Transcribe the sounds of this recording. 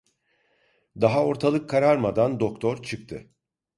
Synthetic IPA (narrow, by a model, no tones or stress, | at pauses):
d̪aɦao̞ɾt̪ʰalˠɯkʰːaɾaɾmad̪and̪o̞k̚t̪ʰoɾt͡ʃʰɯkt̪ʰɯ̰